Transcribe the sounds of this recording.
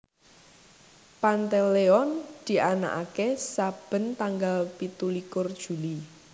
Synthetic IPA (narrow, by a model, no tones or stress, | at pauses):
pant̪eleɔnd̪̥i̤ʔana̰ʔakesab̥ə̤nt̪aŋɡalpit̪ulikʊrd̥ʒ̥ṳli